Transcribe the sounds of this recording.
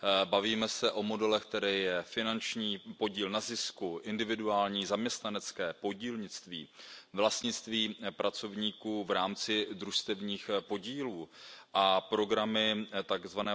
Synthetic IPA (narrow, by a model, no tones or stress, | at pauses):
baviːmɛsɛʔo̞mo̞dɛlɛxk̚t̪ɛɾɛːjɛfɪnant͡ʃɲiːpo̞ɟiːlnazɪskuʔɪndɪvɪduaːlɲiːzamɲɛst̪nanɛt͡skɛːpo̞ɟiːlɲɪt͡st̪vḭːvlast̪ɲɪt͡st̪viːpɾʔat͡so̞vɲiːkuːvɾaːmt͡sɪd̪ɾuʃst̪ɛvɲiːxpo̞ɟiːluːʔapɾo̞ɡɾamɪt̪aɡzvanɛː